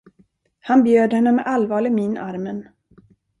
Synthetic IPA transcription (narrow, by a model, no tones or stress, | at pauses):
hanbjøːd̪hɛnːəmɛʔalvɑːɭɪminaɾmən